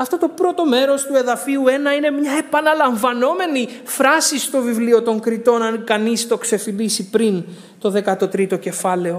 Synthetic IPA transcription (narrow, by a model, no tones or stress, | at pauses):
ɐft̪o̞t̪o̞pɾo̞t̪o̞me̞ɾo̞st̪ue̞ðɐfiue̞nɐine̞mɲɐe̞pɐnɐlɐɱvɐno̞me̞nifɾɐsist̪o̞vivlio̞t̪o̞ŋkɾit̪o̞nɐnkɐnist̪o̞kse̞filisipɾin | t̪o̞ðe̞kɐt̪o̞t̪ɾit̪o̞ce̞fɐle̞o̞